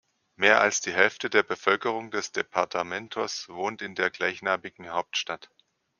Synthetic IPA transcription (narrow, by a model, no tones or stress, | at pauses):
meːɐʔa̰lsd̥iːɦɛlftədeːɐbəfœlkəʁ̞ʊŋdɛsd̥epʰaɐtʰamɛntʰʊsv̥oːntɪndeːɐɡlaɪçnaːmɪɡŋ̩haʊp̚tʃtat